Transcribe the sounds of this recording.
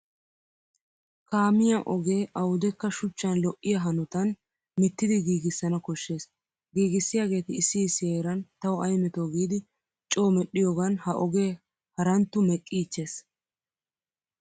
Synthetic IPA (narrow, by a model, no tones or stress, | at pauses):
kaːmɪjaʔɔɡe̞ːʔɐwʊd̪ɛkːɐʃʊt͡ʃːɐnlɔʔːɪjɐɦɐnʊt̪ɐn | mɪt̪ːɪd̪ɪɡiːɡɪsːɐnɐkɔʃːe̞ːs | ɡiːɡɪsːɪjaːɡe̞ːt̪ɪːsːiːseːɾɐnt̪ɐwʊɐjmɛt̪oːɡiːd̪ɪ | t͡ʃʼo̞ːmɛɗɪjoːɡɐnhɐʔɔɡe̞ː | hɐɾɐnt̪ːʊmɛkʼːiːt͡ʃːe̞ːs